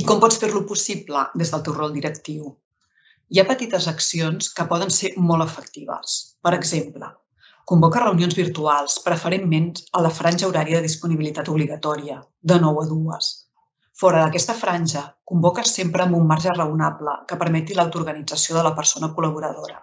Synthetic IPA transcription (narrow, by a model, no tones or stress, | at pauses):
ikɔmpɔt͡sfeɾlupusiplə̰d̪ezðəlˠt̪ɛwrɔlˠd̪iɾəkt̪iw | iapət̪it̪əzəksionskəpɔðənseɾmɔlˠəfək̚t̪iβə̰spəɾəɡzemplə | kumbɔkərəunionzβiɾt̪ualˠspɾəfəɾemːenələfɾanʲʒəuɾaɾiəðəðispuniβilit̪at̪uβliɣət̪ɔɾiə | d̪ənɔwəðuə̰s | fɔɾəðəkɛst̪əfɾanʲʒəkumbɔkəsempɾəːmbumːaɾʒərəunaplə̰kəpəɾmɛt̪ilawt̪uɾɣənid͡zəsioðələpəɾsonəkuləβuɾəðoɾə̰